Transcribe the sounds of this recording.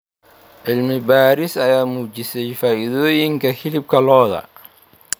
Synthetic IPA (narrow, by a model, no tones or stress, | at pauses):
ʕɪlmɪbaːɾɪsɐjaːmuːt͡ʃɪsɛjfaːʔiðɔːjɪŋkʰɐhɪlɪb̚kʰɐlɔːðɐ̰